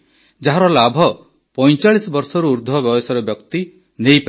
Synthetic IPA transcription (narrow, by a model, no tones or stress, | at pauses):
d͡ʒaɦaɾɔlabʱɔ | pɔjt͡ʃaɭisɔbɔɾsɔɾuːɾd̪ʱɔbjɔbesɔɾebjɔkt̪i | nejpe